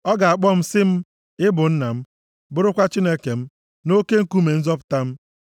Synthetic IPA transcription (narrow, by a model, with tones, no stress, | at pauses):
ɔ˦ɡa˨a˨k͡pɔ˦m̩˦sɪ˦m̩˦ | ɪ˦bʊ˨n̩˦na˨m̩˦ | bʊ˦ɾʊ˦kʷa˦t͡ʃi˦ne˦ke˨m̩˦ | no˦ke˦ŋ̩˦ku˦me˨n̩˦zɔ˦pʊ̥˨ta˦m̩˦